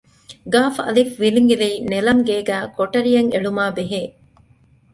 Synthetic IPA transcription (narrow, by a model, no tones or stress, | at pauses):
ɡaːfɐ̰lifʋiliŋɡiʋeinelɐŋɡeːɡæːkoʈɐɾijɐŋeɭumaːbeɦeː